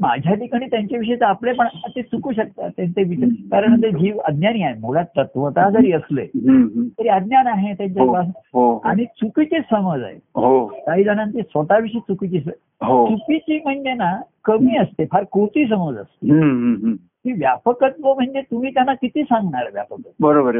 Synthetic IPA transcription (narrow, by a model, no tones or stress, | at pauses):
ma̰d͡ʑʱjad̪ikaɽ̃iːt̪jaɲt͡ɕaʋiʂ̬əjt͡seaplepəɳət̪et͡sukuːɕək̚t̪a̰t̪jãnt͡s̪eʋit͡ɕkaɾəɳt̪ed͡ʑiːʋə̰d̪njaniaemoɭat̪ət̪ʋət̪ad͡zəɾiːəslejɦt̪əɾiəd̪njanaɦẽt̪jãɲt͡ɕabasɦoa̰ɽ̃it͡sukit͡ɕiːsəməd͡za̰ɦḛɦot̪aɦiːd͡zanãnt̪iːsʋət̪aʋiʂiːt͡sukit͡ɕiːs | ɦot͡sukit͡ɕiːm̤əɳd͡ʑenakəmiːəst̪epʰaɾkot̪iːsəməd͡zə̰st̪eɦɦ | t̪iːʋjapəkət̪ʋom̤əɳd͡ʑet̪um̤iːt̪janːakit̪iːsãŋɡɳaɭəʋja̰pəkət̪bəɾobəɾ